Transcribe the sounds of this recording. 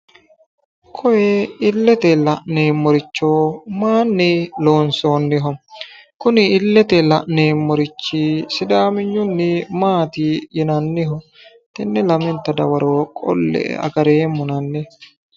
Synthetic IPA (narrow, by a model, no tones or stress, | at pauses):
kʰɔjɛɪlːɛt̪ɛlɐʔneːmːɔɾɪt͡ʃːoːmaːnːɪloːnsoːnːɪɦɔm | kʊnɪɪlːɛt̪ɛlɐʔneːmːɔɾɪt͡ʃːisɪd̪aːmɪɲːʊnːɪmaːt̪ijɛnɐnːɪɦɔ | t̪ɛnːɛlɐmɛnt̪ːɐd̪ɐwɐɾoːkʼɔ̰lːɛ̰ʔɐ̰ɡɐɾeːmːʊnɐnːɪ